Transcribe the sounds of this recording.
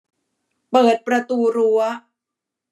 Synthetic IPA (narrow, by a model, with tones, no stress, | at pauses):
pɤː˨˩t̪̚pɾa˧t̪uː˧ɾu˦ɐ